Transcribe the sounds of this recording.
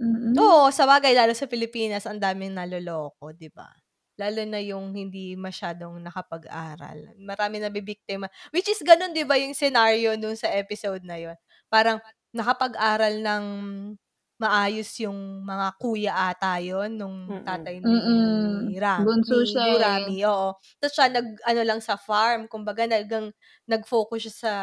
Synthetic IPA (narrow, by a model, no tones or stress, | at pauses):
ʔosɐbaːɡɐjlaːlosɐpɪlɪpiːnɐsʔɐnd̪aːmɪŋnɐlolo̞ːk̚o̞d̪ɪba̰ | laːlʊnɐjʊŋhɪnd̪imɐʃaːd̪o̞ŋnɐkɐpɐɡʔa̰ːɾɐ̰lmɐɾaːmɪnɐbibik̚t̪ɪmɐwɪt͡ʃɪsɡɐno̞nd̪ɪbajʊŋsɛnaɹjo̞nʊnsɐʔɛːpɪsowd̪̚nɐjo̞n | paːɾɐŋ | nɐkɐpɐɡʔaːɾɐlnɐŋ | mɐʔaːjo̞sjʊŋmɐŋakuːjɐʔaːt̪ajonːʊŋt̪aːt̪ɐjn̩ːɪɾaɡʊnsuːʃaɾaːmiʔoːʔo | sot͡ʃɐʔanɐɡ̚ʔɐno̞lɐŋsɐfaɹmkʊmbɐɡanɐɡɐŋ | nɐɡ̚fo̞ːkʊsʃɐsɐ